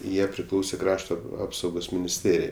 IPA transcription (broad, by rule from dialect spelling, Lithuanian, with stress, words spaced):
ˈjiɛ pʲrʲɪˈklˠɐʊsʲeː ˈkrɑːʃtoː ˈɑːpsɐʊɡoːs mʲɪnʲɪsʲˈtʲeːrʲɪjɛɪ